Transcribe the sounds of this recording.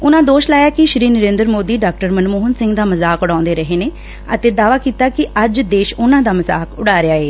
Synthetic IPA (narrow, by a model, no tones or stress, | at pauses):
ʊnãːd̪oːʃlaːjaːkɪʃɾiːnəɾẽːnd̪ɾmoːd̪iːɖaːk̚ʈəɾmənmoːɦnsɪ̃ŋɡd̪aːməzaːkʊɽãːʊ̃nd̪eːɾəɦeːneː | ət̪eːd̪aːʋaːkiːt̪aːkɪəd͡ʒd̪eːʃʊnãːd̪aːməza̰ːkʊɽaːɾeaːeː